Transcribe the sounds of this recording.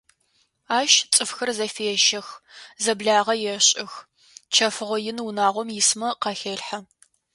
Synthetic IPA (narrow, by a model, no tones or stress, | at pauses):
aːʃt͡sʼɨfxɐrzɐfeɛʃɐxzɐbɮaːʁɐjɛɕʼɪx | t͡ʃʰɐfɨʁʷɔjɪnwunaːʁʷɔmjɪsmɐqɑxeːɬħɐ